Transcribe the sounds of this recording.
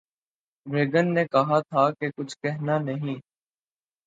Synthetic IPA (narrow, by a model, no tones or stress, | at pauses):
ʋeːɡənːeːkəɦaːt̪ʰaːkekʊt͡ʃʰkɛɦnaːnəɦĩː